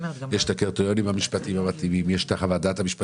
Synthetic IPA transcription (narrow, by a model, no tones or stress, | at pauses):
jeʃt̪akeʁt̪ojo̞nimhamiʃpatimhamat̪imimjeʃtaχavadathamiʃpa